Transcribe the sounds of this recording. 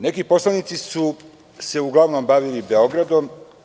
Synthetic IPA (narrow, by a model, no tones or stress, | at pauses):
ne̞kipo̞slˠanit̪sisu | se̞uɡlˠaʋnombaʋilibe̞o̞ɡɾad̪om